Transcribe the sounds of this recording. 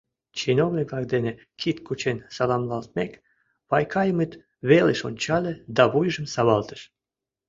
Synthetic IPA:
t͡ɕinownʲiklɑkd̪enĕ | kʰit̪kut͡ɕensɑlˠɑmlˠɑlˠt̪̚mʲek | βɑjkʰɑjəmɨt̪ | βeləʃonʲt͡ɕɑlʲĕd̪ɑβujʒə̆msɑβɑlˠt̪ə̥ʃ

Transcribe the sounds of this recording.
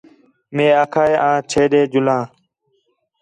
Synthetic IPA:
mẽːaːkʰaːeːãːt͡ʃʰeːɗeːd͡ʒʊlãː

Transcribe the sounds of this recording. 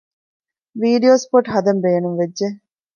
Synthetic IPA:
ʋiːɖioːspoʈɦɐd̪ɐmbeːnuŋʋedʒe

